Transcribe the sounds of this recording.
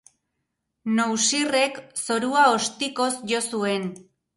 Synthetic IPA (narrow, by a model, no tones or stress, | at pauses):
nowsire̞kso̞ɾuao̞st̪iko̞sʝo̞sue̞n